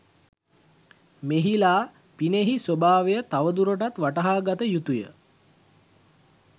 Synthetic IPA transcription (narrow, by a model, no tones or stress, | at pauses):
meɦilaː | pineɦisobaːʋejət̪aʋəd̪uɾoʈat̪ʋaʈəɦaːɡat̪əjut̪ujə̰